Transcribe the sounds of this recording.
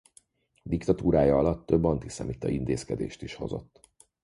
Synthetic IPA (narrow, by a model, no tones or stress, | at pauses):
d̪ikt̪ɒt̪uːɾaːjɒɒlɒt̪ːø̞bːɒnt̪isɛ̰mit̪ːɒint̪eːskɛd̪ḛːʃt̪iʃho̞̰zo̞̰t̪ː